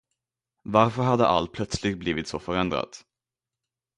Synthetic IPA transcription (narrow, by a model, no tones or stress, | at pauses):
vaɾfœɾɦad̪ːə̰ʔa̰lt̪̚pʰlœt̪slɪɡt̪̚bliːvɪt̪sɔfœɾɛnd̪ɾa̰t̪